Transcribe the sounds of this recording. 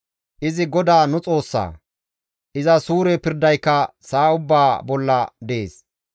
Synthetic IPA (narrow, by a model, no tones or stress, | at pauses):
ʔɪzɪɡɔd̪aːnʊt͡sʼo̞ːsːa̰ː | ʔɪzɐsuːɾɛpɪɾd̪ɐjkːɐsaːʊbːaːbɔlːɐ̰d̪ḛːs